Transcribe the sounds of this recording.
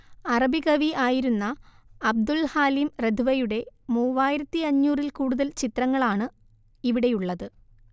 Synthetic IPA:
ɐrɐbiɣɐʋiaːjiɾunːɐː | b̚d̪ulhaːlimred̪ʱuʋɐjuɽe̞muːʋaːjiɾɐt̪ːiɐɲːuːrilkuːɽuðɐlt͡ɕit̪rɐŋːɐɭaːɳɨ | iʋiɽe̞juɭːɐðɨ

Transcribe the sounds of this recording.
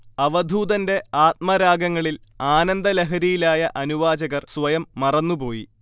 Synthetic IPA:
ɐʋɐd̪ʱuːd̪ɐnde̞aːt̪̚mɐɾaːɡɐŋːɐɭilaːnɐnd̪ɐleɦɐɾijilaːjɐʔɐnuʋaːd͡ʑɐɣɐrsʋɐjɐmːɐrɐnːupo̞ːji

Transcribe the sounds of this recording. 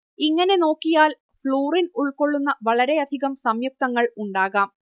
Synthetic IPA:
iŋːɐne̞no̞ːkːijaːl | fɭoːrinuɭko̞ɭːunːɐʋɐɭɐɾe̞ɐd̪ʱiɣɐmsɐmjuk̚t̪ɐŋːɐɭuɳɖaːɣaːm

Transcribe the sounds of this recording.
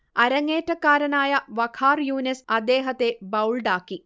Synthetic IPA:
ɐɾɐŋːeːtːɐkːaːɾɐnaːjɐʋɐkʰaːrjuːnɐsɐd̪ːe̞ːɦɐt̪ːe̞bɐwɭɖaːkːi

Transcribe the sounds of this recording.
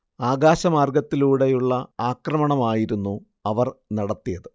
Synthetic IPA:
aːɡaːɕɐmaːrɡɐt̪ːiluːɽejuɭːɐaːkrɐmɐɳɐmaːjiɾunːu | ɐʋɐrnɐɽɐt̪ːijɐðɨ

